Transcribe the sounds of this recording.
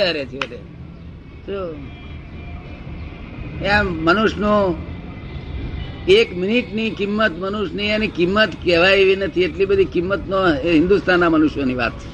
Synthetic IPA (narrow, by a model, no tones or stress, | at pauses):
eɾet͡ʃ̪ʰiot̪e | so | ãmənuʃnõ | ekmɪniʈnikimːət̪mənuʃnianikimːət̪kɛʋajeʋinət̪ʰieʈlibəd̪ʱikimːət̪noɦɪ̃nd̪ust̪anːamənuʃjoniʋa̰t̪t͡ʃʰe